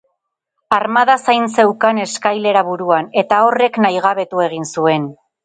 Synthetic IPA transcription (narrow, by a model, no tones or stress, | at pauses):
aɾmaðasajnse̞wkane̞skajle̞ɾaβuɾuane̞t̪ao̞re̞knajɣ̞aβe̞t̪ue̞ɣ̞insue̞n